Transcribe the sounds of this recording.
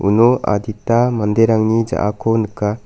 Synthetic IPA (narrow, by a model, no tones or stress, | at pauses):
ṵnoa̰d̪itamandeɾaŋnid͡ʒa̰ʔakʰonɯka